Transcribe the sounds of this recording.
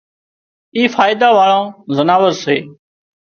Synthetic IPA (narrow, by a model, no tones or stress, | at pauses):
iːfaːɪd̪aːʋaːɭãːzənaːʋəɾseː